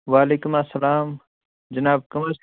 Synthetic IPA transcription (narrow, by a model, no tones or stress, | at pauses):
ʋaːleːkumɐsːɐlaːm | d͡ʒɐnaːb̚kɐmɐɾs